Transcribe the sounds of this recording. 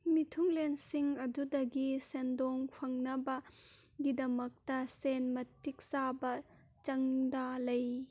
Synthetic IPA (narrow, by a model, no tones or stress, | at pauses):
mitʰuŋlensiŋɐdudɐɡisendɔŋpʰɐŋnɐbɐɡidɐmɐk̚tɐsenmɐtːik̚sabɐ | t͡ʃɐŋdalɐj